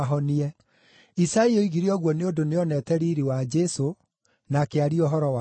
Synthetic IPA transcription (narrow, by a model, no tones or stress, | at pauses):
ɦɔniɛ | isaioiɣiɾiɔɣwɔneodoneɔnɛtɛɾiɾiwad͡ʒɛso | nakeaɾiɔɦɔɾɔwa